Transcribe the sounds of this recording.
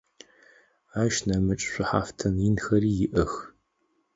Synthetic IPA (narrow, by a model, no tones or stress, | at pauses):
aːʃnɐmɨt͡ʃʼɕʷʊħa̰ːftʰɐnjɪnxɐriːjɪʔɐx